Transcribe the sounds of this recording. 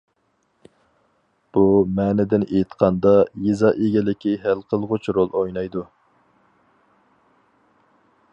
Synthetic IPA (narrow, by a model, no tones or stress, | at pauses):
b̥umɛːnɪd̪ɪnet̪qʰɑnd̪ɑjezɑʔeɡʲɛlɪkʲʰiɦælqʰəlˠʁʊt͡ʃʰɾolˠojnɑjd̪u